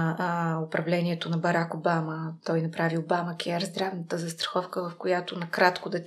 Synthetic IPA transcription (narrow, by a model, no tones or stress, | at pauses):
opɾʔɐvlɛniɛt̪onɐbɐɾakobamət̪ɔjnɐpɾaviobaməkʲɛɾzd̪ɾavnət̪əzɐst̪ɾɐ̥xɔfkəvɐfkojat̪onɐkɾat̪kod̪ɐ